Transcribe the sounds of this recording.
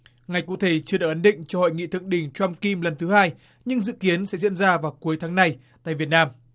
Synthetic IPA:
ŋa˨˩jkṵ˧˥t̪ʰe˧˩t͡ɕɨ˧ə˧a̰ː˧˩k̚ʔə˨˦nɗï˧˨ŋ̟t͡ɕɔ˧ho̰˧˨jŋḭ˧˨t̪ʰɨ̰˧˨əŋɗï˧˩ŋ̟t͡ɕwa˧mki˧mlə˨˩nt̪ʰɨ˨˦haː˧j | ɲɨ˧ŋzɨ̰˧˨ki˨˦ənsɛ̰˧˥zḭ˧˥ənzaː˧vaː˨˩wku˨˦əjt̪ʰaː˨˦ŋna˨˧jt̪a̰ː˧˨jvi˨˩ət̚naː˧m

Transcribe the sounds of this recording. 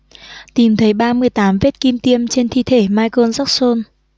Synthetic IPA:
t̪i˨˩mt̪ʰə˨˦jɓaː˧mɨ˧əjt̪aː˨˦mve˦˥t̚ki˧mt̪i˧əmt͡ɕe˧nt̪ʰi˧˨t̪ʰe˧˩maː˧jko˧nza˦˥k̚so˧n

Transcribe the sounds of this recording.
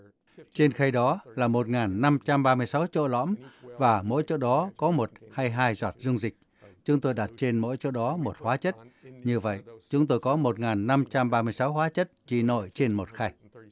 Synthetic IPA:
t͡ɕe˧nxa˧jɗɔ˨˦laː˨˩mo˨˩t̚ŋaː˨˩nːa˧mt͡ɕa˧mɓaː˧mɨ˧əjsa˨˦wt͡ɕo̰˧˨lɔ̰˧˥mvaː˨˩mo̰˧˥jt͡ɕo̰˧˨ɗɔ˨˦kɔ˨˦mo˨˩t̚haː˧jɦaː˧jzwaː˨˩t̚zʊ˧wŋ͡mzï˨˩k̟̚ | t͡ɕʊ˨˦ŋ͡mt̪o˧jɗa˨˩t̚t͡ɕe˧nmo̰˧˥jt͡ɕo̰˧˨ɗɔ˨˦mo˨˩t̚hwaː˨˦t͡ɕə˦˥t̚ɲɨ˧və̰˧˨jt͡ɕʊ˨˦ŋ͡mt̪o˧jkɔ˨˦mo˨˩t̚ŋaː˨˩nːa˧mt͡ɕa˧mɓaː˧mɨ˧əjsa˨˦wɦwaː˨˦t͡ɕə˦˥t̚t͡ɕi˧˩no̰˧˨jt͡ɕe˧nmo˨˩t̚xa˧j

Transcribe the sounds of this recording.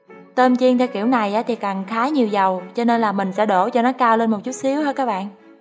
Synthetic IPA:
t̪əː˧mt͡ɕi˧əŋt̪ʰɛ˧wkḭ˧˩wna˨˩jʔaː˨˦t̪ʰi˨˩ka˨˩nxaː˨˦ɲi˨˩əwzə˨˩wt͡ɕɔ˧ne˧nlaː˨˩mï˨˩ŋ̟sɛ̰˧˥ɗo˧˩t͡ɕɔ˧nɔ˨˦kaː˧wle˧nmo˨˩t̚t͡ɕu˦˥t̚si˨˦əwhəː˧jkaː˦˥k̚ɓa̰ː˧˨nʔ

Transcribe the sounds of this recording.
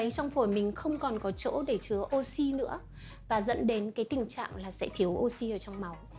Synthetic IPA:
ə˨˦jt͡ɕɔ˧wŋ͡mfu˧˩jmï˨˩ŋ̟xə˧wŋ͡mkɔ˨˩nkɔ˨˦t͡ɕo̰˧˥ɗe˧˩t͡ɕɨ˨˦əʔo˧si˧nɨ̰˧˥ə | vaː˨˩zə̰˧˥nɗe˨˦nkaː˨˦jt̪ï˨˩ŋ̟t͡ɕa̰ː˧˨ŋlaː˨˩sɛ̰˧˥t̪ʰi˨˦əwʔo˧si˧ʔəː˧˩t͡ɕwŋ͡mma˨˦w

